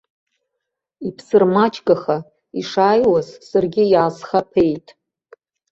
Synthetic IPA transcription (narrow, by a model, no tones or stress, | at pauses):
ipʰsɨrmat͡ʃʰʼɡaχa | iʂaːjwazsarɡʲɪjaːzχapʰe̞jtʼ